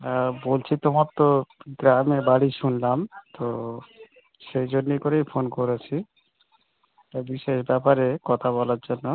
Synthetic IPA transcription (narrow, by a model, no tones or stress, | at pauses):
abolt͡ɕʰit̪omɔt̪ːoɡɾamebaɽiʃunlamt̪o | ʃejd͡ʑonːikoɾejfʰonkoɾet͡ɕʰi | abiʃeʃbɛpaɾekɔt̪ʰaβɔlaɾd͡ʑonːo